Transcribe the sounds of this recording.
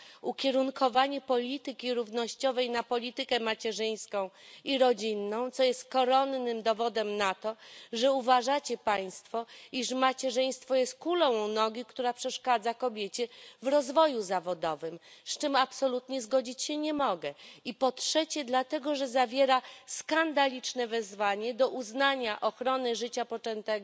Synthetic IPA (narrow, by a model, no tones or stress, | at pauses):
ukʲɛɾuŋkʰɔvaɲɛpɔlʲit̪ɘkʲiɾuvnɔɕt͡ɕɔvɛjnapɔlʲit̪ɘkɛmat͡ɕɛʐɘj̃skɔ̃w̃iɾɔd͡ʑinːɔ̃w̃t̪sɔjɛst̪̚kɔɾɔnːɘmd̪ɔvɔd̪ɛmnat̪ɔʐɛuvaʐat͡ɕɛpaj̃st̪fɔiʂmat͡ɕɛʐɛj̃st̪fɔjɛst̪̚kulɔ̃w̃nɔɡʲikt̪uɾapʂɛʂkad̪zakɔbʲjet͡ɕɛvɾɔzvɔjuzavɔd̪ɔvɘmst͡ʂɘmapsɔlut̪ɲɛzɡɔd͡ʑit͡ɕɕɛɲɛmɔɡɛipɔtʂɛt͡ɕɛd̪lat̪ɛɡɔʐɛzavʲjɛɾaskand̪alʲit͡ʂnɛvɛzvaɲɛd̪ɔʔuznaɲaʔɔxɾɔnɘʐɘt͡ɕapɔt͡ʂɛnt̪ɛɡɔ